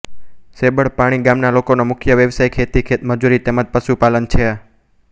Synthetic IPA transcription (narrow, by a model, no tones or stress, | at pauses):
sebəɭpaɽ̃iɡamnalokonomʊkʰjəʋjəʋsajkʰet̪ikʰet̪məd͡ʒuɾit̪emad͡ʒpəʃupalənt͡ʃʰe